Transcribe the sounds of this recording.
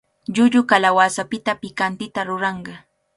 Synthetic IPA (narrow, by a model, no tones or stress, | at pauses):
ʎʊʎʊkalawasapɪt̪apɪkant̪ɪt̪aɾʊɾɑɴɢɑ